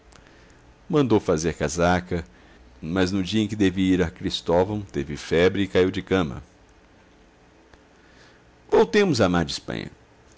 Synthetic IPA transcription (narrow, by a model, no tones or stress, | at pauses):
mɐ̃nd̪owfazeɾkazakɐ | mɐznʊd͡ʒiɐẽkɪd̪ɛvɪiɾɐkɾist̪ɔvɐ̃t̪evɪfɛbɾɪːkaiwd͡ʒɪkɐ̃mɐ̰ | vowt̪ẽmʊzamaɾd͡ʒɪspɐ̰̃ɲɐ̰